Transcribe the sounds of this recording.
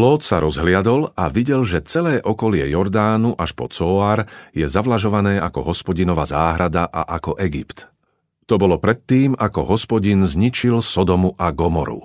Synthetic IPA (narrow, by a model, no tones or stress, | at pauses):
lɔːt̪saɾɔzɦlɪad̪ɔla̰ʋiɟɛlʒɛt͡sɛlɛːʔɔkɔlɪɛjɔɾd̪aːnuʔaʃpɔt͡sɔaːɾjɛzaʋlaʒɔʋanɛːʔakɔ̰ɦɔspɔɟinɔʋazaːɦɾad̪aʔa̰ʔakɔʔɛɡipt̪ | t̪ɔbɔlɔpɾɛt̪ːiːmakɔɦɔspɔɟinzɲit͡ʃilsɔd̪ɔmuʔaɡɔmɔɾṵ